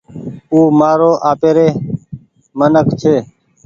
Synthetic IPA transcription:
uːmaːɾoːʔaːpeːɾeː | mənəkt͡ʃʰeː

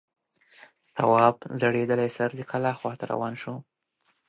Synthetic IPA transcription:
t̪ʰawɑbzaɽed̪əlajsaɾd̪əkʰalaxwɑt̪aɾa̰wɑnʃu

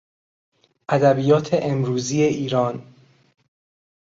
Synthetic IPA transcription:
ʔæd̪æbiːjɒːt̪ʰe̞ʔemɾuːziːe̞ʔiːɾɒːn

